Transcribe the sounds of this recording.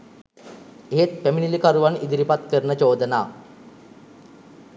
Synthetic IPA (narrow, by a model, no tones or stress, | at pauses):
eɦet̪̚peminilikaɾuʋanid̪iɾipat̪kəɾnət͡ʃoːd̪ənaː